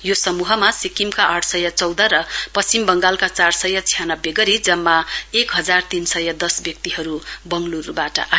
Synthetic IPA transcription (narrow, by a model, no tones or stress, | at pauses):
josʌmuɦʌmasikimkaʔʌʈʰsʌjʌt͡sʌwd̪ʌɾʌpʌst͡simbʌŋɡalkat͡sarsʌjʌt͡sʰijanʌbjeɡʌɾid͡zʌmːaekɦʌd͡zart̪insʌjʌd̪ʌsbjʌk̚t̪iɦʌɾubʌŋɡluɾubaʈʌ̰ʔa